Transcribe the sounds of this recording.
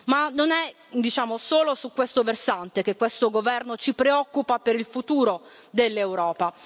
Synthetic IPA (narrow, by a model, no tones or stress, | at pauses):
manonɛ | d̪it͡ʃaːmosoːlosukːwest̪oversant̪ek̟ekːwest̪oɡovɛrnot͡ʃipɾeɔkːupapeɾilfut̪uːɾo | d̪elːewɾɔːpa